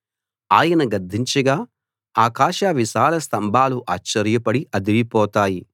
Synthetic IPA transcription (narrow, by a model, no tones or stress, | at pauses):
aːjɐnɐɡɐd̪ʱːiɲt͡ʃɐɡaː | aːkaːʃaʋiʃaːlɐst̪ɐmbʱaːluʔaːt͡ʃːɐɾjɐpɐɽiʔɐd̪iʋipɔːt̪aːji